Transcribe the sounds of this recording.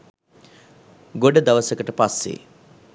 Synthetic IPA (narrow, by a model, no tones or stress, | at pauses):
ɡoɖəd̪aʋəsəkəʈəpasːḛ